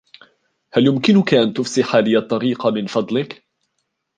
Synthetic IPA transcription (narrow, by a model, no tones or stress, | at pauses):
haljʊmkɪnʊkaʔant̪ʊfsɪħaːlɪjat̪ˤːɑɾiːqɑmɪnfɑd̪ˤlɪk